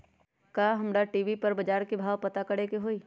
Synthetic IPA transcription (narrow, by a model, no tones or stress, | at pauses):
kaːɦɐmɾaʈiːʋipɐɾbɐd͡ʒaːɾkibʱaːʋpɐt̪akɐɽekeɦoːiː